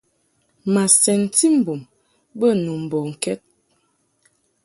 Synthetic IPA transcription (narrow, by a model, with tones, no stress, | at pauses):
ma˨sɛ˨n˨ti˦m̩˨bu˨m | bə˦˨nu˨m̩˨bɔ˨ŋ̩˨kɛ˦t̚